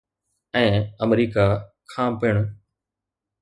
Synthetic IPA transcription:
ɛ̃ːəmɾiːkakʰãːpɪːɽ̃

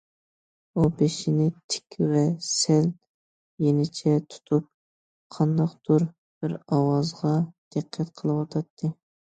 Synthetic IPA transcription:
ubeʃɪnɪt̪ʰɪ̥kʲvɛsɛl | jenɪt͡ʃʰɛt̪ʰu̥t̪ʰup̚ | qʰɑnd̪ɑqd̪̥uɾ | b̥ɪɾɑwɑzʁɑd̪̥ɨqʰːɛt̪qʰəlˠɨwɑt̪ʰɑt̪ʰːɨ

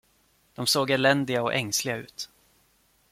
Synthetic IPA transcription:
d̪̥ɔmsoːɡɛɭɛnd̪ɪɡaɔʔɛ̰ŋslɪɡaʉ̟̰ːt̪

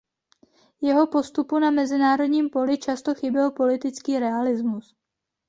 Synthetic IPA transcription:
jɛɦo̞po̞st̪upunamɛzɪnaːɾo̞dɲiːmpo̞lɪt͡ʃast̪o̞xɪbɪlpo̞lɪt̪ɪt͡skiːɾɛalɪzmus

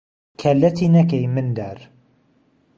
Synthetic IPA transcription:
kʰɐlːɐt̪ʰinɐkɛjmɨnd̪aɾ

